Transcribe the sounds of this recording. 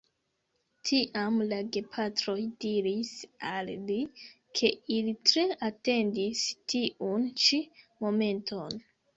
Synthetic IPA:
tʰiʔamlaɡe̞pʰatɾo̞jdiɾisalːi | kʰe̞ilitɾe̞ate̞ndistʰiʔunt͡ʃimo̞me̞ntʰo̞n

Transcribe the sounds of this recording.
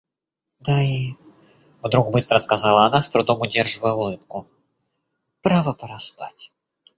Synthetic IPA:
d̪ai | vd̪ɾukbɨst̪ɾəskazalˠɐanast̪ɾud̪ɔmʊdʲɛrʐɨvəjɛulˠɨp̚kʊ | pɾavɐpɐɾaspa̰tʲ

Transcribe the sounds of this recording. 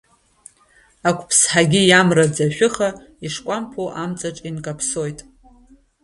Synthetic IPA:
akʷʰʼpʰsħaɡʲijamrad͡zaʃʷᶣɨχa | iʂkʷʼampʰoʔamt͡sʼaʈ͡ʂʼinkʼapʰsojtʼ

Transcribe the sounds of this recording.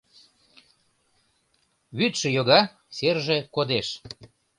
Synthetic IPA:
βyt̪ʃə̆joɣɑ | serʒekod̪eʃ

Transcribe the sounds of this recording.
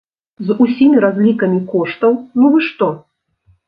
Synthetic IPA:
zusʲimʲiɾazʲlʲikɐmʲikɔʂt̪ɐwnuvɨʂt̪ɔ

